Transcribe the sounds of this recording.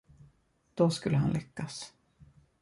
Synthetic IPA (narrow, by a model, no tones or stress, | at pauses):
d̪̥ɔskɵlːəɦanlʔɛkːas